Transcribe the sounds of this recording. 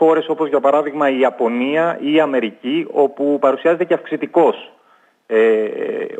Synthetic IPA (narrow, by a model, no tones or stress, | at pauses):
o̞ɾe̞so̞po̞zʝɐpɐɾɐðiɣmɐiɐpo̞niɐiːɐme̞ɾicio̞pupɐɾusiɐze̞t̪e̞ceɐfksit̪iko̞s | ḛ